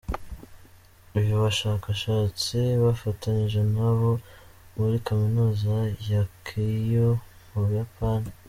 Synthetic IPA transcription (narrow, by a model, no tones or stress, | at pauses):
uβjuβaʃaːkaʃaːt͡siβafataɲiʒe̞naβo̞ | βuɾikaminuːzajakʰijo | muβujapaːni